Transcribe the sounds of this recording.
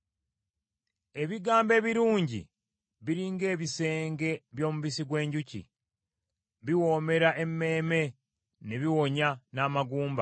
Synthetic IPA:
e̞βiɡaːmbe̞ːβiɾuːɲɟḭ | βiɾiːŋɡe̞ːβise̞ːŋɡe̞βjo̞ːmuβisiɡwe̞ːɲɟucḭ | βiwo̞ːme̞ɾaʔe̞mːe̞ːme̞ | neβiwo̞ɲanaːmaɡuːmba

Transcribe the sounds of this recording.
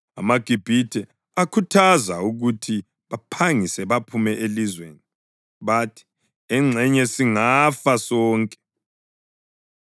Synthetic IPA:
a̰maɡ̥ʱib̥ʱitʰʼɛ | akʰutʰazauɣutʰi | βapʰaŋisɛβapʰumɛʔelizweːni | βatʰi̥ | ɛŋ͡ǁʱɛɲɛsiŋafasɔːŋkʼɛ̥

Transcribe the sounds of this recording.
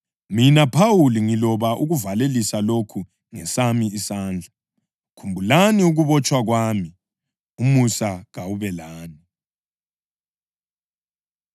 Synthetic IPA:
minapʰawuliŋilɔβaʔuɣuvalelisalokʰu | ŋɛsamiisaːnd͡ɮʱa | kʰumbʱulaniuɣuβɔt͡ʃʼwaɣwaːmi | umusaɣawuβɛlaːni

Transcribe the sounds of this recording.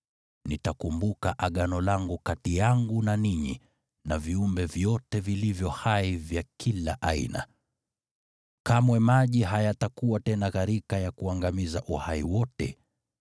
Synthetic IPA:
nitakumbukaʔaɠanɔlaŋɡukatijaŋɡunaniɲḭ | naviumbɛvjɔtɛvilivjɔhaivjakʰilaʔaḭna̰ | kamwɛmaʄiɦajatakuwatɛnaɣaɾikajakuaŋɡamizaʔuhaḭwɔtɛ̰

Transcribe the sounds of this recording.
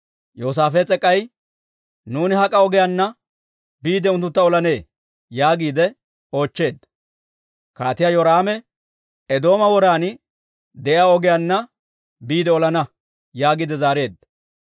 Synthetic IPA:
jo̞ːs̬aːfɛt͡sʼɛkʼːɐj | nuːnɪɦɐkʼɐɔɡɛjanːɐ | biːd̪ɛʊnt̪ːʊt̪ːɐɔlɐne̞ː | jaːɡiːd̪ɛ | o̞ːt͡ʃːe̞ːd̪ːɐ | kaːt̪ɪjajoɾaːmɛ | ɛd̪o̞ːmɐwɔɾaːn | d̪ɛʔjaːɔɡɪjanːɐ | biːd̪ɛɔlɐnɐ | jaːɡiːd̪ɛzaːɾe̞ːd̪ːɐ

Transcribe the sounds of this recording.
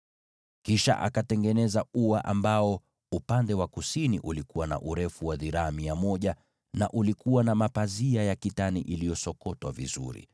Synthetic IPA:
kiʃa̰ʔa̰katɛŋɡɛnɛzauaʔambaɔ | upandɛwakusiniʔulikuwana̰ʔuɾɛfuwaðiɾaːmiamɔʄa | na̰ʔulikuwanamapaziajakitaniʔilijɔsɔkɔtwa̰vizṵɾḭ

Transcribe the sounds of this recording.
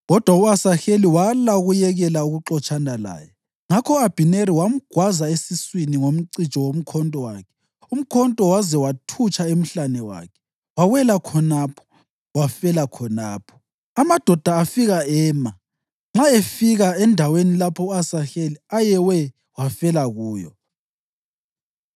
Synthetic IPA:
ɣɔd̥ʱwauasaxeliwalaɣujɛɣɛlauɣuǁɔt͡ʃʼanala̰ːjɛ | ŋakʰɔab̥ʱineɾiwam̩ɡ̥ʱwazaesiswiniŋom̩ǀit͡ʃʼɔwom̩kʰɔntʼɔwa̰kʰɛ̥ | um̩kʰɔntʼɔwazɛwatʰut͡ʃʰʼaem̩ɬanɛwa̰ːkʰɛ̥ | waɣwɛlakʰɔnapʰɔ̥ | wafɛlakʰɔnaːpʰɔ̥ | amad̥ʱɔd̥ʱaːfiɣaɛːma | ŋ͡ǁaefiɣaɛndʱawenilapʰɔasaɬeliajɛwɛ | wafɛlaɣuːjɔ̰

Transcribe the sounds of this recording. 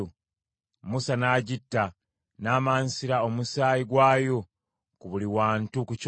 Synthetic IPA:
musanaːɟitːa | naːmaːnsiɾao̞musaːjiɡwaːjo̞ | kuβuliwaːntukuc

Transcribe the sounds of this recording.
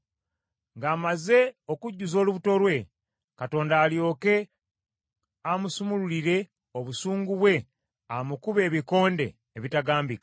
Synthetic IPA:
ŋɡaːmaze̞o̞kuɟːuzo̞ːluβuto̞ɾwe̞ | kato̞ːndaːljo̞ːke̞ | amusumululiɾe̞ | o̞βusuːŋɡuβwe̞ | amukuβe̞ːβiko̞ːnde̞̰ːβitaɡaːmbika

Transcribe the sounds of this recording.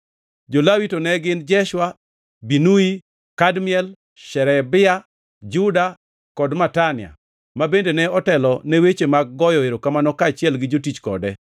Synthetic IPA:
d͡ʒolawitonɛɡɪnd͡ʒɛʃwa | binui | kadmɪɛl | ʃɛɾɛbɪa | d͡ʒuda | kɔdmatanɪja̰ | mabendenɛɔtɛlɔnɛwet͡ʃemaɡ̚ːɔjɔeɾokamanɔkat͡ʃɪɛlɡɪd͡ʒotit͡ʃkɔ̰dɛ

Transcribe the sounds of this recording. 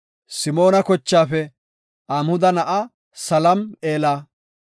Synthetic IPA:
sɪmo̞ːnɐkɔt͡ʃːaːfɛ | ʔamhʊd̪ɐnɐʔɐ | sɐlɐme̞ːlaː

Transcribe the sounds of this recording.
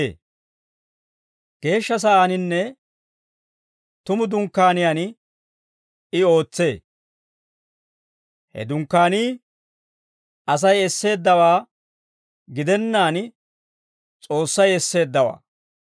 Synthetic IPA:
ɡ̥e̞ːʃːɐs̬ɐʔaːnɪnːɛ | t̪ʊmʊd̪ʊŋkːaːnɪjaːn | ɪo̞ːt͡sːe̞ː | hɛ̰d̪ʊŋkːaːniː | ʔɐs̬ɐjɛsːe̞ːd̪ːɐwaː | ɡɪd̪ɛnːaːn | t͡sʼo̞ːsːɐjɛsːe̞ːd̪ːɐwa̰ː

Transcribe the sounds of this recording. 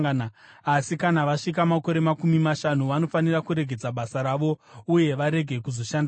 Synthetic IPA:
n | asikanaʋaʂikamako̞ɾe̞makumimaʃanuʋano̞fanirakuɾe̞ɡʱe̞d͡zaɓasaɾaʋo̞uje̞ʋaɾe̞ɡʱe̞kuzo̞ʃanda

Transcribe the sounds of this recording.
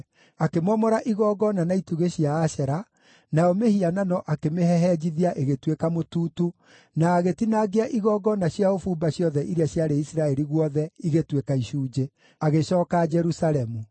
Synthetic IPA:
akemɔmɔɾaʔiɣɔɡɔnanaituɣeɕiaːʃɛɾa | najɔmehiananɔʔakemeɦɛɦɛd͡ʑiðiaʔeɣetwekamotuːtu | naːɣetinaɣeaʔiɣɔɡɔnaɕjaofuːmbaɕjɔðɛʔiɾeaɕjaɾeisiɾaɛɾiɣwɔðɛiɣetwekaiʃuːd͡ʒe | aɣeɕɔːkad͡ʒɛɾusaɾɛmu

